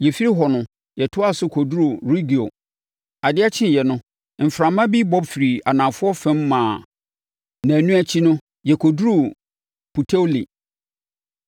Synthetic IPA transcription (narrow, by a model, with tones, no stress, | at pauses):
jɛ˨fi˦ɾi˦ɦɔ˨nʊ̃˨ | jɛ˨tʰʊ˦a˦˨sʊ˦kʰɔ˨du˦ɾo˨ɾi˦ɡi˨o̰˨ | a˨dɪ˦a˦t͡ɕʰɪ̃˦˨jɛ˨nʊ̃˦ | m̩˨fɾã˨mã˦bi˦bɔ˦bfi˨ɾi˨a˨nã˨fʊ˦ɔ˦fɛ̃˦mː˦ã˨ | nã˨nũ˦æ˦t͡ɕʰi˦nʊ̃˦ | jɛ˨kʰo˨du˦ɾu˦˨ | pʰu˨tʰe˦lḭ˨